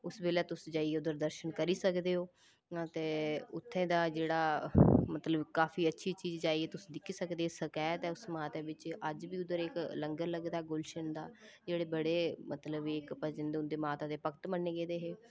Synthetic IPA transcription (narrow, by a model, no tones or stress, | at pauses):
ʊsbeːleːt̪ʊsd͡ʒaːiːeʊd̪əɾd̪əɾʃənkəɾiːsəkd̪eːɦoː | t̪eːʊt̪ʰːẽːd̪aːd͡ʒeːɽaːmət̪ləbkaːfiːətːʃʰiːt͡ʃiːd͡ʒd͡ʒaːieːt̪ʊsĩːd̪ɪkʰːiːsəkd̪eːsəkaːt̪ɛːʊsmaːt̪eːʋɪt͡ʃəd͡ʒbiːʊd̪əɾɪkləŋɡəɾləɡd̪aːɛɡʊlʃənd̪aːd͡ʒeːɽeːbəɽeːmət̪ləbikpəd͡ʒənd̪ʊnd̪eːmaːt̪ãːd̪eːpəkt̪mənːeːɡeːd̪eːɦeː